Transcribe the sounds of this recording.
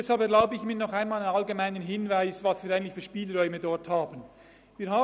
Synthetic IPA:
ɛshalpɛɐɾlaʊbəɪçmiːɐnɔχaɪnmaːlanɑlɡemaɪnənɦɪnvaɪsvɑsv̥iːɾaɪɡŋntlɪçfyːʃpiːlʁɔʏmədɔɹthaːbən | viːɾɦaː

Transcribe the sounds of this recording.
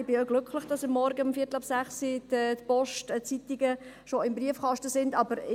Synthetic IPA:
bɪøɡ̥lʏkχlɪχd̥ɑsɑmːɔɾɡəɑmfiːətəɑpsæχsitɛtpɔʃtt͡sit̪iɡə | ʃoɪmbriəfχɑʃtəsɪndɑbəɾ

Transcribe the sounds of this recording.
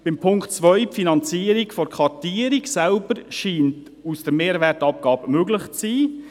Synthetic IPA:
b̥ɪmpʰʊŋktt͡sʋœʏpfinɑnt͡siːəɾikfɔɾkʰɑtiːəɾiksælbəɾʃiːnt | usd̥əɾmeːɾvɛtɑp̚ɡ̥ɑːbəmøɡlɪχt͡siː

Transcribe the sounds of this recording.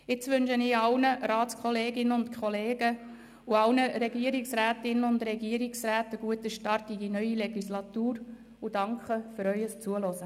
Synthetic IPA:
ɪt͡sʋʏnʃənɪːɑlnəɾaːskχɔleːɡɪnəʊntkʰχɔleːɡ̥ə | uɑlnəɾɛɡiəɾɪksɾæːtɪnəʊndɾɛɡiəɾɪksræːtəɡ̥uətəʃtɑrtidinœʏileɡ̥islɑtuːɾ | ud̥ɑŋkχəfyɾœʏəst͡suəlɔsə

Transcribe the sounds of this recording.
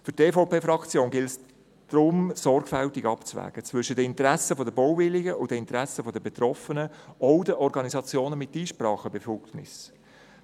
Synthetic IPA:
fʏteːfoʊpeːfɾɑkt͡sjoːnɡɪls | d̥ɾʊmsɔrɡfæltiɡɑpt͡svæ̰ːɡ̥ət͡sʋʏʃədəɪntɾæsəfɔdəbɔwvɪliɡəʊdəɪntɾæsəfɔdəbet̪rɔfənəɔwdəʔɔɾɡɑnizɑt͡sjoːnəmɪtːiːʃpɾɑːχəbefɔknɪ̰s

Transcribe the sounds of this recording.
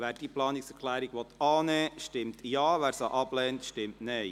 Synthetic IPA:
ʋæːɾd̥iəplɑːnɪksɛkʰlæːɾiɡ̥ʋɔt̪ɑːnɛːʃtɪmtjɑːʋæːɾsɑʔɑb̥lɛːntʃtɪmtnɛɪ

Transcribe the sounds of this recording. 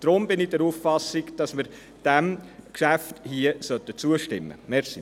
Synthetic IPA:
d̥ɾʊmbɪnɪdɛɾuːffɑsɪɡd̥ɑsmɪɾ | d̥æmkʃæfthiəsœtːət͡suəʃtɪmːə̰mɛɾsi

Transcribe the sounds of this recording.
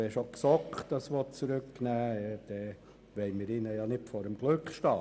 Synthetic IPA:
ɛʃoksɔkχtɑsʋɔtt͡sɾʏkːnæːɛd̪̥ɛ | ʋɛɪmɪɾɪnəjɑnɪtfɔːɾəmɡ̥lɵkχʃtɑː

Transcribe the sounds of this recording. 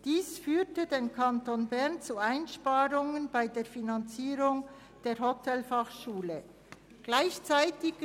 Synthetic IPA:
d̥iːsfyːtədenkʰantoːnbɛʁnt͡suaɪnʃpaːɾʊŋənb̥aɪdeːɾfinant͡siːɾʊŋ | d̥eːɾhotʰɛlfɑχʃuːlə | ɡ̥laɪçt͡saɪtɪ

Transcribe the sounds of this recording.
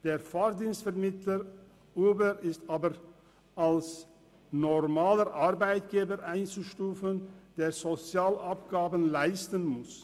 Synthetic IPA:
d̥eːʁfaːʁdiːnstfɛɐmɪtləʁ | ʔuːbəʁɪstaːbəʁ | ʔals | nɔʁmaːləʔaʁbaɪtɡ̥eːbəʁʔaɪnt͡suʃtuːfənd̥eːɐzot͡sjaːlʔapɡ̥aːbənlaɪstənmʊs

